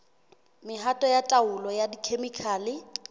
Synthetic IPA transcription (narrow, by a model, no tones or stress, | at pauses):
mɪɦatʼɔjatʼaʊlɔjadikʰemikʰaːlɪ